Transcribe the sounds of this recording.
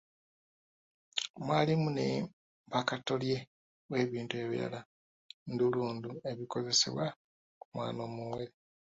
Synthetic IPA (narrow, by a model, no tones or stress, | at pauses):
mwaːlimune̞ | mpakato̞lje̞ | we̞ːβiːntue̞βḭɾa̰la | nduluːndue̞βiko̞ze̞sḛβwa | kumwa̰ːno̞ːmuweɾe